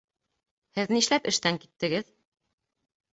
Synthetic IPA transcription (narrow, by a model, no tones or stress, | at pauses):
hɘðniʃlæpɘ̆ʃt̪æŋkit̪ːɘ̆ɡɘð